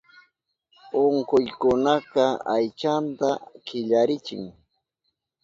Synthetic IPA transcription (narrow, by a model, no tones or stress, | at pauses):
oɴqʊjkʊnakɑajt͡ʃant̪akɪʎaɾɪt͡ʃɪ̰ŋ